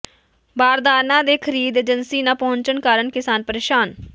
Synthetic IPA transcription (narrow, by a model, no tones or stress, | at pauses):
baːɾd̪aːɾnãːd̪eːkʰəɾiːd̪eːd͡ʒənsiːnaːpəɦʊɲt͡ʃənkaːɾəɳkɪsaːnpəɾeːʃaːn